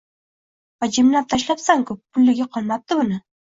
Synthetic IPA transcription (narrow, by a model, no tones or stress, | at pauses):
vad͡ʒɪmlap̚t̪ʰaʃ̬lapsaŋkʰʊp̚ːʊlːɪɡʲaqʰɒlˠmap̚t̪ɪbʊnɪ